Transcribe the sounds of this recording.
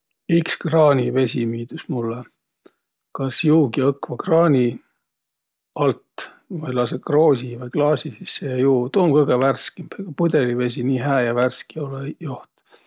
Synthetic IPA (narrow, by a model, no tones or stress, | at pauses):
ikskrɑːnʲive̞sʲimiːd̪̥usmulːe | kɑsjuːɡiɤkːvɑkrɑːnʲi | ɑlt̪ | vɤjlɑs̬ekroːsivɤjklɑːsʲisisːejuːt̪oːmkɤɡ̥eværskimpeɡ̥ɑpud̪e̞live̞s̬ʲiniːɦæːjɑværskiolejoht̪